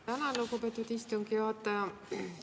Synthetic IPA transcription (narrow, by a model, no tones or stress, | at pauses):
ænɑlukupet̪ːˑud̪ist̪oŋkiot̪ːˑɑjɑ